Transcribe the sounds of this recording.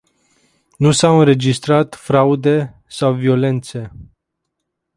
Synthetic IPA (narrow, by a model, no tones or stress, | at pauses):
nusawɨnɾe̞d͡ʒist̪ɾat̪fɾaud̪e̞ | sawvio̞le̞nt̪se̞